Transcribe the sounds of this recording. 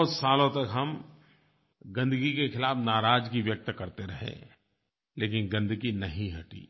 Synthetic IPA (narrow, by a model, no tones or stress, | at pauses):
t̪saːlõt̪ɐkɦɐm | ɡɐ̃nd̪əɡikexɪlaːfnaːɾaːd͡ʒkiʋjɐk̚t̪kɐɾt̪eɾɐɦḛ̃ | leːkɪnɡɐ̃nd̪ɡinɐɦĩɦɐʈḭː